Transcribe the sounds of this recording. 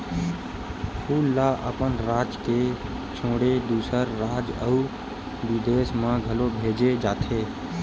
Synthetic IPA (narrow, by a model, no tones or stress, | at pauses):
uːlaːʔəpənɾaːd͡ʒke | t͡ʃʰõːɽed̪uːsəɾːaːd͡ʒəu | ʋɪd̪eːsmãɡʱəlobʱeːd͡ʒed͡ʒaːt̪ʰeː